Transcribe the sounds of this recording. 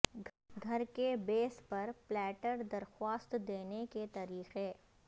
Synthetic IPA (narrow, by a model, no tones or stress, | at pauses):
ɡʱɐɾkebeːspɐɾplɛːʈəɾd̪ɐɾxwaːst̪d̪eːneket̪ɐɾiːxeː